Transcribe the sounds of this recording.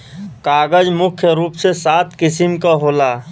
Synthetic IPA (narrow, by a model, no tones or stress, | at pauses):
kaːɡəd͡ʒmʊkʰjəɾuːpsesaːt̪ʰkɪsɪmkaɦoːlaː